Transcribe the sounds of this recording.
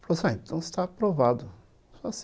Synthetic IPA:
flosãẽnt̪ʰɐ̃w̃st̪apɾovad̪ʊ | sɔs

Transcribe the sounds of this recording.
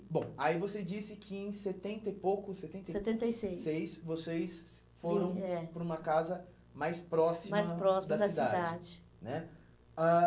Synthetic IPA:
bõw̃aivosed͡ʒisɪkʰɪẽj̃set̪ẽnt̪ejpowkʊset̪ẽneset̪ẽnt̪ejsejssejsvosejs | foɾɐ̃w̃ɛpɾũmɐkazɐ | majspɾɔsimmajspɾɔsid̪ɐd̪ɐisd̪ia̰d̪aɪd͡ʒɪ | nɛ | a

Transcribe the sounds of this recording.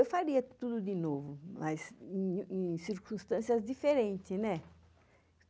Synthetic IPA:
ewfaɾiɐt̪ud̪ʊd̪ɪnovʊmazẽẽsiɾkũst̪ɐ̃siɐzd̪ifeɾẽnt̪ɪnɛ

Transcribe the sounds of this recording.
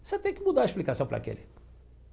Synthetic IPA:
set̪ẽj̃kɪmud̪aɐeʃplikasɐ̃w̃pɾɐ̰kḛlɪ

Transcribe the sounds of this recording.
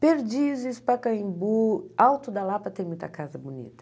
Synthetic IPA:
peɾd͡ʒizɪspɐkɐ̃j̃buawt̪ʊd̪ɐlapɐt̪ẽj̃mũj̃t̪ɐkazɐbunḭt̪ɐ̥

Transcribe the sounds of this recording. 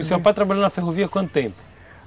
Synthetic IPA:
usepajt̪ɾabalʎɐ̃nd̪nɐfeɦoviɐkwɐ̃nt̪ʊt̪ẽmpʊ̥

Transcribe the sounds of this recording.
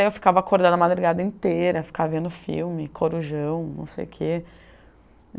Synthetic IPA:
ewfi̥kavɐakoɾd̪ɐ̃nd̪ɐmad̪ɾuɡad̪ɐĩt̪eɾɐfi̥kaɐvẽnd̪ʊfḭwmɪkʰoɾuʒɐ̃w̃nɐ̰̃w̃sḛjʊkʰe

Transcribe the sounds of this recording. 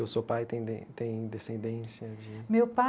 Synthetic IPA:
ewsopajt̪ẽj̪̃ẽt̪ẽj̃ĩd̪esẽnd̪ẽsiɐd͡ʒɪmewpa

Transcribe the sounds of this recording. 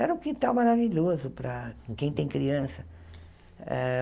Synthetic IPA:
ɛɾukit̪ãw̃maɾaviʎozʊpɾɐkõkẽj̃t̪ẽj̃kɾiɐ̃sɐ | ɛ

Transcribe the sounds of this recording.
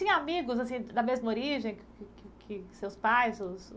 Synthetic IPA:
sĩamiɡʊzasĩd̪ɐmezmɐoɾiʒẽj̃kkɪkɪkʰɪsewspajzʊs

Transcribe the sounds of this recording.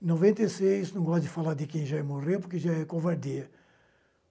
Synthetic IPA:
novẽnt̪ɐjsejsnɐ̃w̃ɡɔst̪d̪ɪfalaɾd̪ɪkẽj̃ʒaɛmorewpʊɾkeʒaɛkõvaɾd̪iɐ

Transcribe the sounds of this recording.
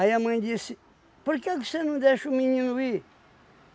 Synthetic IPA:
ɐiɐmɐ̃j̃d̪is | puɾkekvosenɐ̃d̪eʃumiɲĩnui

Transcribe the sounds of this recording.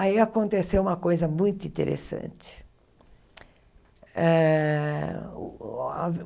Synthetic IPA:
aiakõnt̪esewũmɐkojzɐmũj̃t̪ʊĩnt̪ḛɾʔḛsɐ̰̃t͡ʃɪ̥ | ɛ | a

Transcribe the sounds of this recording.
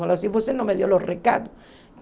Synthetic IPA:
olasiposenomeðjoloreka̰t̪o | k

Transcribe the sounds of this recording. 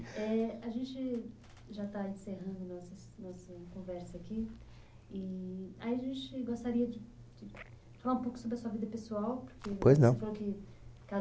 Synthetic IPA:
ɛaʒẽnt͡ʃɪ | ʒat̪aẽseɦɐ̃nd̪ʊnɔsɐsnɔsɐkõvɛɾsɐːki | ɪaiɐʒẽt͡ʃɪɡost̪aɾiɐd͡ʒɪd͡ʒɪ | falaɾũpowkʊsobɾɪɐsuɐvid̪ɐpesuawpoɾkepojznɐ̃efalowkɪ | t̪a

